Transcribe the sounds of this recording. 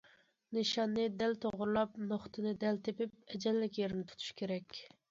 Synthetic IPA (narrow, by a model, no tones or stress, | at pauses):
nɨʃɑnːɨd̪ɛlt̪ʰoʁɾlˠɑpnoχt̪ʰɨnɪd̪ɛlt̪ʰepɪp̚ɛd͡ʒɛllːɪkʲjeɾɪnɪt̪ʰu̥t̪ʰu̥ʃkʲeɾɛkʲ